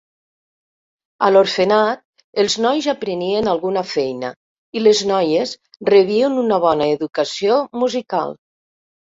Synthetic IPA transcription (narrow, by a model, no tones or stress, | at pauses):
aloɾfenat̪̚ | elˠznɔjzapɾenienalˠɣunafɛjna̰ | ileznɔjez | reβienunaβ̞ɔnaeðukasiomuzika̰lˠ